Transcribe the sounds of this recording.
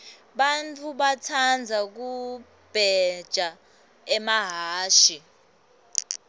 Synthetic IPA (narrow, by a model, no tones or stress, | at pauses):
ɓant͡fʰʼuɓatʰand͡zʱak̬u | b̥ʱɛd̥ʒ̥ʱa | ɛmaɦaːʃi